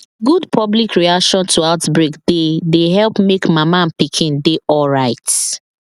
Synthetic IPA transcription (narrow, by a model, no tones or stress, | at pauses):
ɡudpʰɔblikɹiakʃɔ̃ntʰuaʊtbɹikd̥edeɦɛlpmekmamãnpikʰĩndeʔɔlɹaɪt